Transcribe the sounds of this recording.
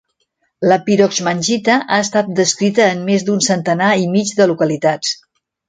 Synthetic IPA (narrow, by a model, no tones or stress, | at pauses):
ləpiɾɔkzmənʲʒit̪əʔaəst̪at̪̚d̪əskɾit̪əːnmezd̪unsənt̪ənaimid͡ʒðəlukəlit̪at͡s